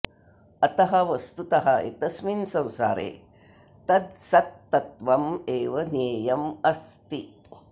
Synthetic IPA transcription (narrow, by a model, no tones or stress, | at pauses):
ɐt̪ɐɦɐʋɐst̪ut̪ɐɦɐḛt̪ɐsminsɐ̃wsa̰ːɾḛː | t̪ɐd̪sɐt̪ːɐt̪ʋɐmeːʋɐneːjɐmɐst̪i